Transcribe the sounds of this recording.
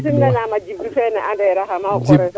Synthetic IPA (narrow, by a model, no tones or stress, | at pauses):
siminanamad͡ʒidifɛnɛʔandajɛɾaɦamaokɔɾɛs